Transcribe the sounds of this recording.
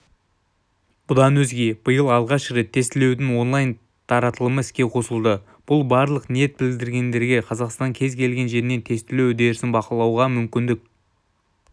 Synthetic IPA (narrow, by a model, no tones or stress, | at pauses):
b̥ʊd̪ɑnwɵzɡʲe̞b̥əjəlˠɑlˠʁɑʃɾet̪ʰːe̞st̪ɪle̞wd̪ɪŋwo̞nlˠɑjn | t̪ʰɑɾɑt̪əlˠəməɪskʲe̞qʰo̞səlˠd̪ə | b̥ʊlˠbɑɾlˠəqnije̞t̪̚bɪld̪ɪɾɡʲe̞nd̪e̞ɾɡʲe̞qʰɑzɑqst̪ɑŋkʲʰe̞zkʲʰe̞lɡʲe̞nʒe̞ɾɪne̞nt̪ʰe̞st̪ɪlewɵd̪e̞ɾɪsɪnbɑqəlˠɑwʁɑmʏmkʲɪnd̪ɪk̚